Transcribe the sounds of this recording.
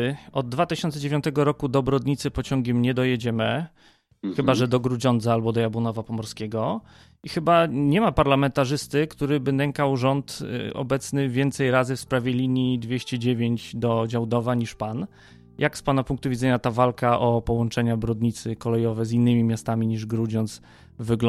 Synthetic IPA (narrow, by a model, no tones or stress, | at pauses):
ɔd̪̚ːvat̪ɘɕɔnt̪sɛd͡ʑevʲjɔnt̪ɛɡɔɾɔkud̪ɔbɾɔd̪ɲit̪sɘpɔt͡ɕɔŋɡʲɛmɲɛd̪ɔjɛd͡ʑɛmɘ | xɘbaʐɛd̪ɔɡɾud͡ʑɔnd̪zaalbɔd̪ɔjabunɔvapɔmɔɾskʲɛɡɔ | ixɘbaɲɛmapaɾlamɛnt̪aʐɘst̪ɘkt̪uɾɘbɘnɛŋkawʐɔnt̪ɔ̰bɛt̪snɘvʲjɛnt̪sɛjɾazɘfspɾavʲjɛlʲiɲjid̪vʲjeɕt͡ɕɛd͡ʑevʲjeɲd͡ʑd̪ɔd͡ʑawd̪ɔvaɲiʂpan | jʔakspanapuŋk̚t̪uvʲid̪zɛɲat̪avalkaʔɔpɔwɔnt͡ʂɛɲabɾɔd̪ɲit̪sɘkɔlɛjɔvɛzinːɘmʲimʲjast̪amʲiɲiʐɡɾud͡ʑɔnd̪s | vɘɡl